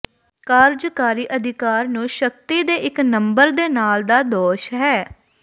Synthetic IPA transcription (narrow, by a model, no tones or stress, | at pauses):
kaːɾd͡ʒkaːɾiːʔəd̪ʱɪkaːɾnũːʃək̚t̪iːd̪eːʔɪknəmbəɾd̪eːnaːld̪aːd̪ɔːʃɦɛː